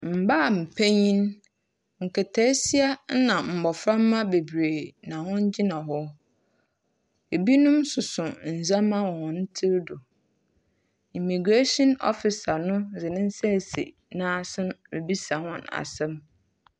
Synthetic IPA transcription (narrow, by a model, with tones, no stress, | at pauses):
m̩˨baː˦˨m̩˨pʰæ̃˦ɲĩ˦n | ŋ̩˨kʰɛ˨tʰɛ˦si˦a˦nã˨m̩˨bɔ˨fɾã˦mː˦ã˦be˨bɾe˨nã˨hʊ̃˦ɲ˦d͡ʑi˦nã˨ɦɔ˦ | e˨bi˦nʊ̃˦msʊ˨sʊ̃˨n̩˨zã˦mã˦wɔ̃˨wɔ̃˨n̩˦tʰɪ˦ɾdʊ˨ | i˨mi˨ɡɾe˦sɔ̃˦nɔ̰˦fɪ˨sa˨nʊ̃˦zɪ˨nɪ̃˦n̩˦sɛ˦˨sḛ˨ | nã˦˨sɪ̃˦nmḛ˨bi˦sa˨hɔ̰̃˦na̰˨sɛ̃˦m